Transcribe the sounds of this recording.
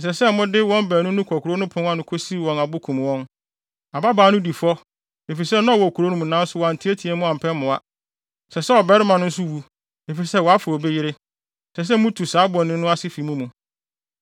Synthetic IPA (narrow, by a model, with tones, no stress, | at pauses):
n̩˨s̬ɛ˨sɛ˦mʊ̃˦dɪ˦wɔ̃˦mbɛː˨nʊ̃˦nʊ̃˦kʰɔ˨kʰʊ˨ɾo˦nʊ̃˦pʰʊ̃˦ŋa˦nʊ̃˨˦kʰo˦si˦˨wɔ̃˨na˨bʊ˦kʰũ˨m˨wɔ̃˦n | a˨ba˦baː˨˦nʊ̃˦di˨fɔ˦ | e˨fi˨s̬ɛ˦nã˦˨wɔ˨kʰu˨ɾo˦nʊ̃˦mũ˨nã˦n̩˦sʊ˦wɔ˨a˨n̩˨tʰi˦e˦tʰi˨e˨˦mʊ̃˦a˨m̩˨pʰɛ˦mʊ̃˨a̰˨ | sɛ˨sɛ˦ɔ˨bɛ˦ɾɪ˦mã˨nʊ̃˦n̩˦s̬ʊ˦wu˨ | e˨fi˨sɛ˦wɔ˨a˦fʊ˨ɔ˨be˦jɪ˦ɾɪ˦˨ | sɛ˨s̬ɛ˦mʊ̃˦tʰu˨saː˨˦bɔ̃˨nɪ̃˦nːʊ̃˦a˦sɪ˦fi˨˦mũ˦mũ˨